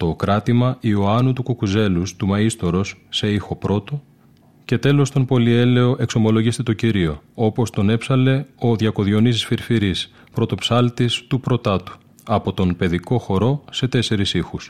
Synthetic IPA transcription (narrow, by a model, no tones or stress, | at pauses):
t̪o̞kɾɐt̪imɐʔioɐnut̪ukukuze̞lust̪umɐist̪o̞ɾo̞sse̞ixo̞pɾo̞t̪o̞ | ce̞t̪e̞lo̞st̪o̞npo̞lie̞le̞o̞ʔe̞kso̞mo̞lo̞ʝist̪et̪o̞ciɾio̞o̞po̞st̪o̞ne̞psɐle̞o̞ðʝɐko̞ðʝo̞nisisfiɾfiɾis | pɾo̞t̪o̞psɐlt̪ist̪upɾo̞t̪ɐt̪u̥ | ɐpo̞t̪o̞npe̞ðiko̞xo̞ɾo̞se̞t̪e̞se̞ɾisixus